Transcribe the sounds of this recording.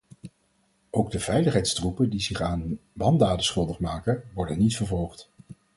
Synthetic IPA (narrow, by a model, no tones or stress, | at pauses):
owɡ̚dəv̥ɛjləχɦɛjtstrupədizɪχaːnbɑndaːdəsχɵlˠdəχmaːkəʋɔɹdənːitfəɹvɔlˠχt